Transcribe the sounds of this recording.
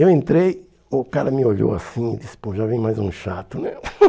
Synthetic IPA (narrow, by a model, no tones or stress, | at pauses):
ewẽnt̪ɾej | ʊkaɾɐmɪoʎo̰asĩɪdisɪ̥poʒavẽj̃majzũʃat̪ʊnɛ